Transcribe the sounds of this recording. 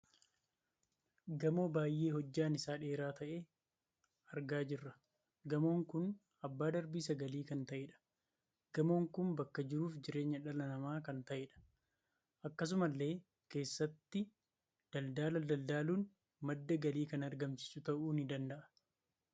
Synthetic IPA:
ɡɐmo̞ːbaːjːe̞ːhɔd͡ʒːaːnɪsaːᶑe̞ːɾaːt̪ɐʔeː | ɐɾɡaːd͡ʒɪrːɐ | ɡɐmo̞ːŋkʊn | ɐbːaːd̪ɐɾbiːsɐɡɐliːkɐnt̪ɐʔeːᶑɐ̥ | ɡ̥ɐmo̞ːŋkʊnbɐkːɐd͡ʒɪɾuːfd͡ʒɪɾe̞ːɲːɐᶑɐlɐnɐmaːkɐnt̪ɐʔeᶑɐ̥ | ʔɐkːɐs̬ʊmɐlːe̞ː | ke̞ːsːɐt̪ːɪ | d̪̥ɐld̪aːlɐd̪ɐld̪aːluːn | mɐd̪ːɐɡɐliːkɐnɐɾɡɐmsɪ̥sʊt̪ɐʔuːnɪd̪ɐnd̪ɐʔɐ̥

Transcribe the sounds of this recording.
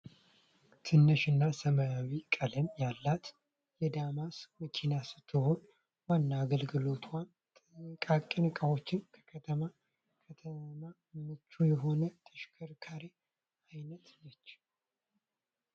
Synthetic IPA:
t̪ʰɨnːɨʃɨnːasəmajawikʼələmjalːat̪ | jɛd̪amasmət͡ʃʰinasɨ̥t̪ʰːɨho̞n | wanːaːɡəlɡɨlo̞t̪ʰwan | kʼakʼinɨkʼəwo̞t͡ʃːɪnkʰə̥kʰət̪ʰəma | kʰət̪ʰəma | mɨt͡ʃːujɛɦo̞nət̪ʰəʃkʰəɾkʰaɾi | ajnət̪nət͡ʃː

